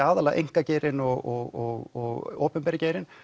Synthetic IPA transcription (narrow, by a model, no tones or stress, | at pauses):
aːðalaɣʔḛjŋ̥kaceːɾɪnɔɣɔɣɔɣɔɣoːpɛmpɛːɾɪceːjɾɪn